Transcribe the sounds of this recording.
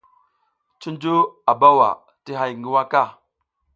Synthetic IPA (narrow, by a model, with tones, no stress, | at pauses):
t͡ʃi˦nd͡ʒu˦a˨ba˦wa̰˨ | ti˦ɦa˨jŋɡi˦wa˦ka˦˨